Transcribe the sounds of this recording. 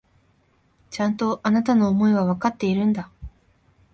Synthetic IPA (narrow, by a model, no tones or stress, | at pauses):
t͡ɕãnt̪o̞ʔanat̪ano̞ːmo̞iɡaβ̞akat̪ːe̞iɾɯ̟̃nd̪a